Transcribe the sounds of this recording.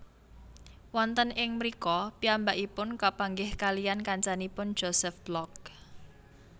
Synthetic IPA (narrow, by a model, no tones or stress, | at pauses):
wɔnt̪ənʔɪŋmɾikɔpiambaʔipʊnkapaŋɡɪhkalijankaɲt͡ʃanipʊn̥ʒ̥osɛfb̥lɔk̚